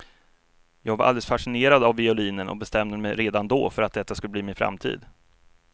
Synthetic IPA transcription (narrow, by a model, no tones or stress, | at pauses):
jɑːɡvaɾʔa̰ld̪ɛləsfaʂɪneːɾad̪avːɪʊliːnənʔɔ̰k̚bɛst̪ɛmd̪əmɛjɾeːd̪and̪ɔːfœɾat̪̚d̪ɛt̪ːaskɵlːəbliːmɪnfɾa̰mt̪ʰḭːd̪